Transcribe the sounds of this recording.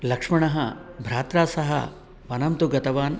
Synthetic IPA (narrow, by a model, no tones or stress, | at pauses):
lɐkʂmɐɳɐɦɐbʱɾaːt̪ɾaːsɐɦɐ̰ | ʋɐnɐmt̪uɡɐt̪ɐʋaːn